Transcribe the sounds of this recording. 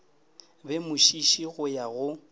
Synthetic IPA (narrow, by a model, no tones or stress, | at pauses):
bɛmʊʃiʃiɣʊjaɣʊ